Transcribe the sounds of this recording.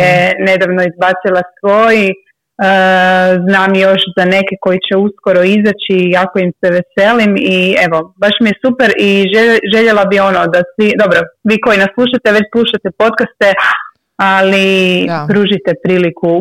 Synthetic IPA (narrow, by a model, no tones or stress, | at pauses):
ene̞d̪aʋnoizbat̪silˠasʋo̞ji | əznaːmjo̞ʃzane̞ke̞ko̞jit͡ɕeusko̞ɾoizat͡ɕikakoimsɛʋese̞limie̞ʋo̞baʃmijesupeɾiʒeʒe̞ʎelabio̞nod̪asʋid̪o̞bɾo̞ʋiːko̞inaslˠuːʃ̬at̪eʋe̞t͡ɕpluːʃt̪at̪epo̞t̪kast̪e | alipɾuʒit̪epɾiːliku